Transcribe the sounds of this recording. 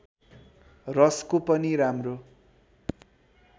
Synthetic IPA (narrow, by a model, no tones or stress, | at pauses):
rʌskopʌniɾamro